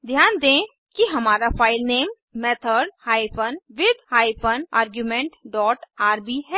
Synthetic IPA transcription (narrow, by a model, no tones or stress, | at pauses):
d̪ʱjaːnd̪ẽː | kiɦɐmaːɾafaːɪlneːmː | ɛːt̪ʰəɾɖhaːifʰənʋɪd̪haːipənaːɾɡjumẽɳʈɖɔːʈaːɾbʱiɦɛː